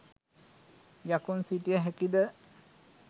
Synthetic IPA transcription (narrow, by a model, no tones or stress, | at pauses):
jakunsiʈijəɦækid̪ə